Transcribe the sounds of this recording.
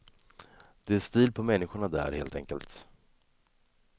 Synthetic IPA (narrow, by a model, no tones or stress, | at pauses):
d̪̥ɛæʂt̪iːlpʰɔmɛnːɪɧʊɳad̪æ̰ːɾhḛːlt̪ɛ̰ŋkə̰lt̪